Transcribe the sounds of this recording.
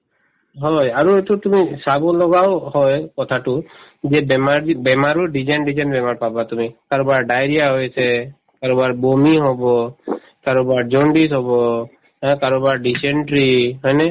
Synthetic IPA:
ɦɔjaɾuet̪ut̪umisabɔlɔɡawhɔjkɔt̪ʰaʈu | d͡ʒebemaɾbemaɾuɖid͡ʒanɖid͡ʒanbemaɾpabat̪umikaɾobaɾɖajɾijaɦɔjt͡ʃʰe | kaɾobaɾbomiɦobɔ | kaɾobaɾd͡ʒoɳɖisɦobɔ | ɦɛ̃kaɾobaɾɖiseɳʈɾiɦɔjne

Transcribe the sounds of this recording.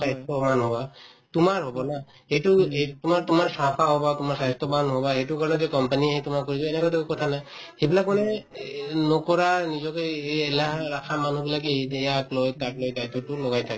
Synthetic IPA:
sajstɔbanɦoba | tumaɹɦobɔna | hejtutumaɹtumaɹsapʰaɦobatumaɹsaɦɔst̪ɔbanɦobaɦejtukaɹɔnɔzɛkɔmpaniaɦɛtumakoɹibɔenɛkɔdekɔkɔtʰanaj | hebilakmanɛ | nɔkɔɹanizɔkɔjeelaɦɹakʰaman̤ubilakeejaklojtatlojdajtːɔtulɔɡajtʰakɛ

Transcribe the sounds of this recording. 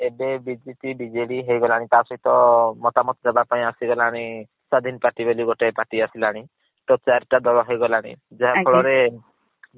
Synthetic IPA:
ebebid͡ʒepibid͡ʒeɽiɦejɡɔlaɽ̃it̪asɔɦit̪ɔmɔt̪amɔt̪ɔd͡ʒabapaĩasiɡɔlaɽ̃i | sad̪ʱinpaʈibeliɡoʈepaʈiasilaɽ̃i | ʈɔt͡ʃaɾʈad̪ɔɭɔɦejɡɔlaɽ̃ḭd͡ʒaɦakʰɔɭɔɾe

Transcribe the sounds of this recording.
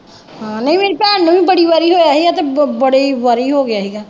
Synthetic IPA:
ɦãːnɐɦĩmeːɾepɛːɳnəbʱĩbɐɽiʋaɾiɦojaɦiat̪obɐɽeʋaɾiɦoɡɪjaɦiɡaː

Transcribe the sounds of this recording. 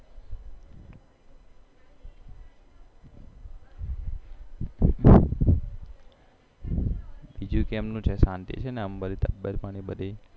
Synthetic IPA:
ʋid͡ʒukemnũt͡ʃʰesant̪ḭt͡ʃʰeneəmbəlit̪əbːəɾpaɽ̃ibəd̪e

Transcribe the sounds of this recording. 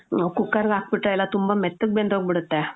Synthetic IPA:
okukːaɾɡak̚piʈɾajlat̪umbamɛt̪ːək̚bend̪ʋək̚biɽət̪ːa

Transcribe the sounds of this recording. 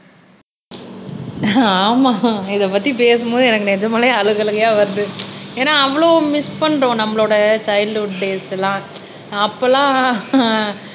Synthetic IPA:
aːmaːɪðɐpɐt̪ːip̬eːsɯmboːðɯɛnɐkːɯnɛɲd͡ʒɐmaːleɐɻɯɣɐɭɯɣɐjaːʋɐɾd̪ɯeːnːaːɐʋːɐɭoːmɪspɐɳːɾõːnɐmːɐɭoːɽɐt͡ʃɐɪlɦʊɖːeːsɛlãː | ɐpːolãː

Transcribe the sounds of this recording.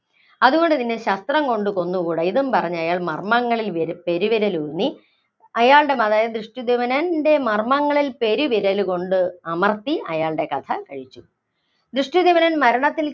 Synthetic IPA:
ɐðuɣo̞ɳɖɨt̪inːeɕɐst̪rɐmko̞ɳɖɨko̞nːukuɽɐjðumpɐrɐɲːɐjaːɭmɐ̰rmɐŋːɐɭilʋɾpe̞ɾuʋiɾɐlunːi | ɐjaːɭɽe̞mɐðaːjɐd̪rɨʂʈjud̪iʋɐnɐnde̞mɐrmɐŋːɐɭilpe̞ɾuʋiɾɐluko̞ɳɖɨɐmɐrt̪iɐjaːɭɖe̞kɐt̪ʰɐkɐɻit͡ɕːu | d̪ɾɨʂʈjud̪iʋɐnɐnmɐɾɐɳɐt̪ːil

